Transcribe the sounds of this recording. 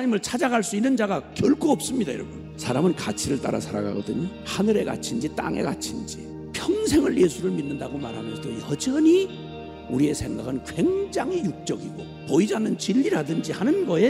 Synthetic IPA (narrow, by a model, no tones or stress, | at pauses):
ɲimɯɭt͡ɕʰad͡ʑaɡaɭs͈uinːɯnd͡ʑaɡakjʌɭkʰoʌp̚s͈ɯmɲidajʌɾʌbun | sʰaɾamɯnkat͡ɕʰiɾɯɭt͈a̰ɾa̰sʰaɾa̰ɡa̰ɡʌdɯɲi | hanɯɾe̞ɡa̰t͡ɕʰind͡ʑit͈a̰ŋe̞̰ɡa̰t͡ɕʰind͡ʑḭ | pʰjʌŋs̬ʰe̞ŋɯɭje̞sʰuɾɯɭminːɯndaɡomaɾɦamʌnsʌʌjʌd͡ʑʌni | uɾie̞sʰe̞ŋɡaɡɯnkwe̞ŋd͡ʑaŋijuk̚t͡ɕ͈ʌɡiɡo | poid͡ʑanːɯnt͡ɕiʎːiɾadɯnd͡ʑihanɯnɡʌje̞